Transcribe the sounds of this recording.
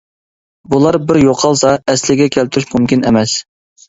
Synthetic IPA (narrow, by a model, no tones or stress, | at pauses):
bulˠɑɾbɪɾjoqʰɑlˠsɑɛslɪɡʲɛkʲʰælt̪ʰyɾyʃmumkʲinemɛs